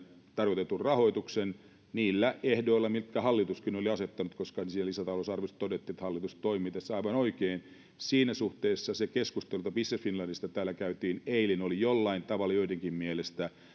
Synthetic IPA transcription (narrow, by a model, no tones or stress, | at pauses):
t̪ɑrkot̪et̪ːurrɑhoit̪uksen | niːlːæehdoilːɑmilt̪kæhɑlːit̪uskinoliɑset̪ːɑnut̪koskɑnsiːnælisæt̪ɑlosɑrʋest̪t̪odet̪ːiet̪hɑlːit̪ustt̪oimiːt̪æsːɑiʋɑnoikeːn | siːnæsuht̪eːsːɑsekeskust̪elut̪ɑpisːeffinlɑnːist̪ɑt̪æːlækæyt̪iːneilinolijolːɑint̪ɑʋɑlːɑjoideŋkimmielest̪æ